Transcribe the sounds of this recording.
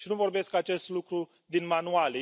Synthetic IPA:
ʃinuvo̞rbe̞skat͡ʃe̞st̪lukɾu | d̪inmanuale

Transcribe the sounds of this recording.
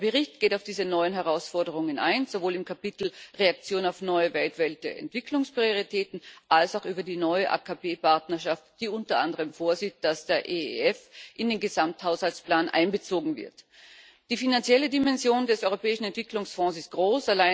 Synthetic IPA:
dɐbəʁɪçt̚ɡ̥eːtaʊfd̥iːzənɔʏənɦɛʁaʊsfɔɐdəʁ̞ʊŋəna̰ɪnzovoːlɪmkʰapitl̩ʁeak̚t͡sjoːnaʊfnɔʏəvɛltv̥alt̚d̥eːɐɛ̰ntv̥ɪkʰlʊŋspʁ̥ioʁitʰɛːtn̩ʔalsaʊxyːbɐdiːnɔʏəʔa̰ːkʰapeːpʰaɐtnɐɐʃaftd̥iːʊntɐʔa̰ndəʁ̞əmfoːɐziːt̚d̥asd̥eːɐʔeɛfʔɪndeːnɡəzamthaʊshalt͡spl̥aːnʔa̰ɪnbət͡soːɡŋ̩vɪ̰ɐt | d̥iːfinant͡sjɛlədimɛnzjoːndɛsʔɔʏʁopɛːɪʃn̩ɛntv̥ɪkʰlʊŋsfɔ̃ːsɪst̚ɡ̥ʁoːsalaɪ

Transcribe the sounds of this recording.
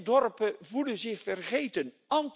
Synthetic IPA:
dɔrpəvuləzɪχfərχejtən | ɑnt

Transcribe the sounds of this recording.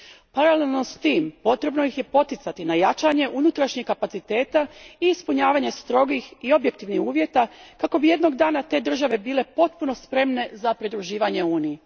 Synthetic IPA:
paɾale̞lˠno̞st̪iːmpo̞t̪ɾe̞bno̞jixje̞po̞t̪it̪sat̪inajat͡ʃaɲe̞ʔunut̪ɾaʃɲikkːapat̪sit̪e̞ːt̪aiːspuɲaːʋaːɲe̞st̪ɾo̞ɡixio̞bjek̚t̪iʋnihuːʋjet̪akako̞bije̞d̪no̞ɡd̪aːnat̪e̞ːd̪r̩ʒaʋe̞biːle̞po̞t̪̚puno̞spɾe̞mne̞zapɾid̪ɾuʒiːʋaɲe̞uːnije

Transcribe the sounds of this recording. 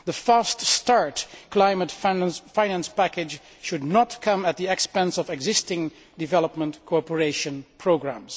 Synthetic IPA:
ðəfaststɑɹtkʰlaɪmətffãɪnæ̃nspækɪd͡ʒ | ʃʊdⁿnɔtkʰʌ̃mət̪̚ðiɛkspɛ̃nsɔvɛɡzɪstɪ̃ŋ | dɨvɛləpmə̃ntkʰɔɹpəɹeɪʃə̃npʰɹoʊɡɹæ̰̃ms

